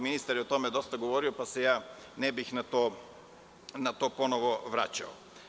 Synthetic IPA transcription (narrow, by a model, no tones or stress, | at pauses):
minist̪aɾiot̪ɔmɛd̪ɔst̪aɡovɔɾiopasɛjaː | nɛbixnat̪ɔ | nat̪ɔponɔvɔvɾa̰t͡ɕa̰ɔ